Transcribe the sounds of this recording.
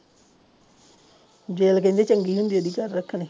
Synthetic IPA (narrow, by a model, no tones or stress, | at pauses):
d͡ʒeːlkẽnd̪et͡ʃəŋɡiːɦũnd̪ijod̪iːkaɾːəkʰːne